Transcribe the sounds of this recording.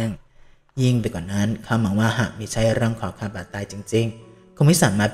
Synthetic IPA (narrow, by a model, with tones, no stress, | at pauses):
ŋ | ji˥˧˩ŋdaː˧˩kwaː˨˩na˦˥nkʰa˧mːa˩˦ŋwaː˧˩ɦaː˨˩k̚miː˧˩t͡ɕʰa˦˥jɾɯ˥˩əŋkʰɔː˨˩˦kʰaː˧˩paː˨˩t̪ːaː˧jt͡ɕi˧ŋt͡ɕi˧ŋ | kʰo˧˩mi˦˥saː˩˦maː˧˩p